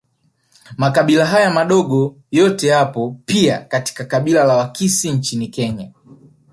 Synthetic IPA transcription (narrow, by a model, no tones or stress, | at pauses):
makaɓilaɦajamaɗɔɡɔ | jɔtɛjapɔpiakati̥kakaɓilalawakisiɲt͡ʃinikɛɲa